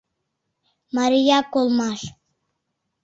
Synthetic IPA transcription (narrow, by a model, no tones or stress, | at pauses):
mɑɾijɑkolˠmɑʃ